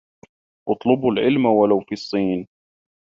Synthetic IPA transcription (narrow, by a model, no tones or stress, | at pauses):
ʔʊt̪ˤlʊbʊlʕɪlmawalawfiːɑsˤːiːn